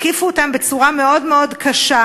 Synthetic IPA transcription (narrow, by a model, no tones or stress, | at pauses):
kifuotambet͡suʁame̞o̞dmeo̞dkʰaʃa